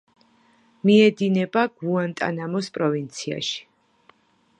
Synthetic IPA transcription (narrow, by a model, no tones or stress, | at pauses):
miɛd̪inɛbaɡ̥uant̪ʼa̰namɔspʼɾɔvint̪sʰia̰ʃi̥